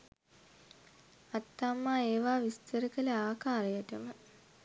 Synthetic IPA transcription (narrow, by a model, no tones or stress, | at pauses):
at̪ːaːmːaːeːʋaːʋist̪əɾəkələaːkaːɾejəʈəmə